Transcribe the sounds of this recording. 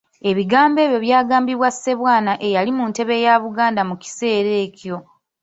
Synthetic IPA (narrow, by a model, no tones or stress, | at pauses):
e̞βiɡaːmbe̞ːβjo̞βjaːɡaːmbiβwase̞βwaːnaʔe̞jalimunte̞βe̞jaβuɡaːndamuci̥se̞ːɾe̞ːcjo̞